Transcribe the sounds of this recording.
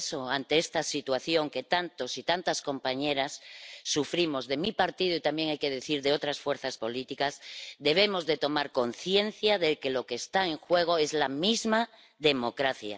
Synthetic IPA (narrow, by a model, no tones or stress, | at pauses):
so̞ant̪e̞est̪asit̪waθjo̞ŋke̞t̪ant̪o̞sit̪ant̪asko̞mpaɲe̞ɾasːufɾimo̞zðe̞mipaɾt̪ið̞oit̪ambje̞ŋajkeð̞e̞θiɾðeo̞t̪ɾasfwe̞ɾθaspo̞lit̪ikazd̪e̞β̞e̞mo̞zðe̞t̪o̞maɾko̞nθje̞n̟θjaðe̞ke̞lo̞keːst̪ae̞ŋxwe̞ɣ̞o̞e̞zlamizma | ðe̞mo̞kɾaθja̰